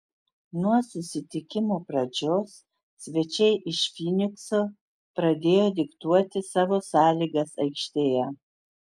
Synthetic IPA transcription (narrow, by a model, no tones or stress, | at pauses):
nuɔsʊsʲɪt̪ʲɪkʲɪmoːpɾɐd͡ʒʲoːs | sʲʋʲɛt͡ʃʲɛɪʔɪʃfʲinʲɪksoː | pɾɐd̪ʲeːjoːd̪ʲɪkt̪uɔt̪ʲɪsɑːʋoːsɑːlʲiːɡɐsɐɪkʃʲt̪ʲeːjæ